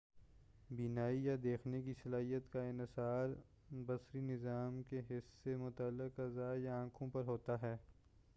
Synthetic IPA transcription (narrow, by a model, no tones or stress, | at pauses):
binaːijad̪eːxnekisɐlaːɦijət̪kaɪnɪsaːɾ | bɐsɾinɪzaːmkeɦɪsːemʊt̪aːlːɪqɐzaːjaãːkʰõpɐɾɦoːt̪aɦɛː